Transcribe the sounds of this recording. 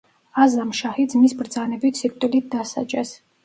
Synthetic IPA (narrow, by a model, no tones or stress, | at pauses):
azamʃahid̪zmisbɾd̪zanɛbit̪ʰsik̚ʰʼt̪ʼulit̪̚d̪asa̰d͡ʒʼɛs